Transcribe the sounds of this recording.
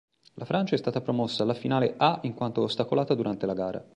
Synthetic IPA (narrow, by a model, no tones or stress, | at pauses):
lʔafɾant͡ʃaɛst̪aːt̪apɾomɔsːaːlːafinaːleʔaiŋkwant̪oːst̪akolaːt̪ad̪uɾant̪elaɡaːɾa̰